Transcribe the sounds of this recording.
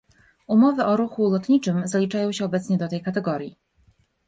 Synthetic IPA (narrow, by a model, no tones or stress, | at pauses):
umɔvɘʔɔɾuxulɔt̪ɲit͡ʂɘmzalʲit͡ʂajɔ̃w̃ɕɛɔbɛt̪sɲɛd̪ɔt̪ɛjkat̪ɛɡɔɾʲji